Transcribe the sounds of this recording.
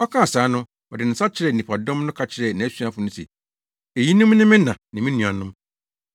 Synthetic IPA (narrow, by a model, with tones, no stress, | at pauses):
ɔ˦kʰã˦a˨saː˨˦nʊ̃˦ | ɔ˨dɪ˨n̩˨sa˦t͡ɕʰɪ˦ɾɛ˨ni˨pʰa˨dɔ̃˦mnʊ̃˦kʰa˨t͡ɕʰɪ˨˦ɾɛ˨nã˨æ˦su˦a˦fʊ˨˦nʊ̃˦sɛ̰˨ | e˨ji˦nʊ̃˦m˦nɪ̃˦mɪ̃˦nã˨nɪ̃˨mĩ˦nũ˨a˨nʊ̃˦m